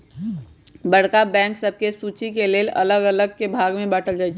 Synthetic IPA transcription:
bəɽ̤kabɛ̃ːŋksəb̚ʱkesuːt͡ʃikeleːlə̰ləɡələɡ̚kebʱaːɡmẽbəʈʰəld͡ʒaːt͡ʃʰ

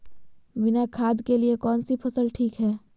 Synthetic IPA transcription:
ʋɪnakʰaːd̪keliekɔːnsipʰɐsəlʈʰiːkɦɛː

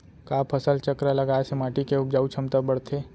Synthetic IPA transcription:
kaːpʰəsəlt͡ʃəkɾaləɡaːesemaːʈikeʊp̚d͡ʒaːut͡ʃʰɐmt̪abəɽt̪ʰeː

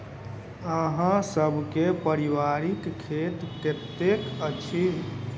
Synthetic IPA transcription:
əɦãsəbʱkepəɾiʋaɾikkʰːet̪ket̪ekət͡ʃʰi

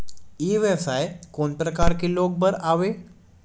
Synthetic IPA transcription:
iʋeʋsajkonpɾəkaɾkilok̚bəɾaʋe

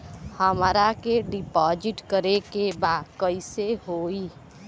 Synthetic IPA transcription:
həmɾakeɖɪpɔːd͡ʒɪʈkəɾekebaːd̪kəiseɦoːi

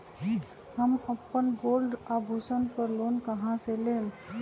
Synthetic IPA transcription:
həməpːənɡolɖabʱusənpəɾlonkəɦãselel

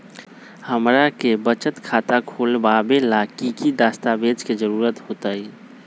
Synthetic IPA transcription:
həmɾakebət͡ʃət̪kʰaːt̪akʰoːlbabelakikid̪aːst̪abeːt͡ʃked͡ʒəɾuːɾət̪hoːt̪ai

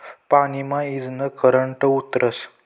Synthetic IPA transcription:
panimãid͡znəkəɾəɳʈəut̪ɾəs

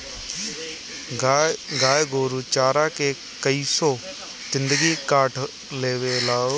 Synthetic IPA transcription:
ɡaːɪɡoːɾut͡ɕaːɾakʰeː | kɐiːsɔ | sɪ̃nd̪əɡikaːʈʰ | leːʋelaːo

